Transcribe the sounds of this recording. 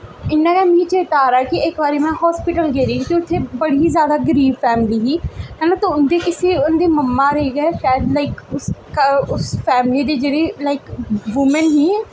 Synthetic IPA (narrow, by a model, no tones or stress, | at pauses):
ɪnːãːkɛ̃ːmĩːt͡ʃeːɾt̪aːɾaːɛkɪɪkbaːɾeːmɛ̃ːɦɔːspɪʈəlɡeːɾiːɦiːt̪eːʊt̪ʰːeːbəɽiːzjaːd̪aːɡəɾiːbpʰɛːmliːɦiːɦɛːnãːt̪õʊnd̪eːkɪseːʊnːd̪eːməmːaːɾeɡɛʃaːjəd̪laːɪkʊskʊspʰɛːmɪliːd̪eːd͡ʒeːɽeːlaːɪkʋʊmənɦiː